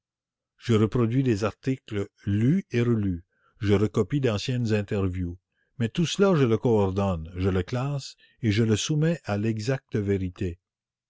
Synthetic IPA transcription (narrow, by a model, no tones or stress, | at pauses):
ʒəɾəpɾɔd̪ɥid̪ezaʁt̪ikləlyeɾəly | ʒəɾəkɔpid̪ɑ̃sjɛnzɛ̃t̪ɛʁvju | mɛt̪uslaʒələkɔɔʁd̪ɔnʒələklas | eʒələsumɛʔalɛɡzak̚t̪əveɾit̪e